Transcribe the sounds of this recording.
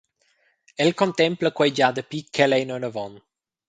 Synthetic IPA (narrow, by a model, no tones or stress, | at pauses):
ɛlkõnt̪ɛmpləkwɛjd͡ʒad̪əpikʰːɛlɛjnənəvɔn